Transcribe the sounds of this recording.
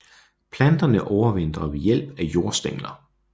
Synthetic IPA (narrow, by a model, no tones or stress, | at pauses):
pʰlænd̥ɐnəʔɒʊɐʋen̰d̥ʁɐʋe̝jel̰b̥æjo̝ːɐ̰sd̥eŋ̰lɐ